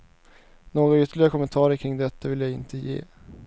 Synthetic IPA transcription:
noːɡɾaʏt̪ʰːəɭɪɡakʰɔmənt̪ʰɑːɾəɾkʰɾɪŋd̪ɛt̪ʰːavɪljaɡɪnt̪ʰəjḛː

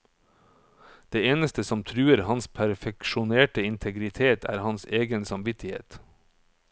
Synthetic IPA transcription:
d̪̥eːeːnəst̪əsɔmt̪ʰɾʉːəɾhɑnspʰæɾfɛkʃʊneːʈəɪnt̪ʰəɡɾɪt̪ʰeːt̪ʰæ̰ːɾhɑnseːɡənsɑmʋɪt̪ʰɪhḛːt̪

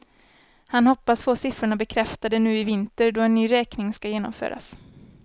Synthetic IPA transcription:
hanhɔpːasfoːsɪfɾʊɳabɛkʰɾɛft̪ad̪ɛnʉ̟ːɪvɪnt̪əɾdɔɛnːyːɾɛːknɪŋskajeːnɔ̰mfø̰ːɾa̰s

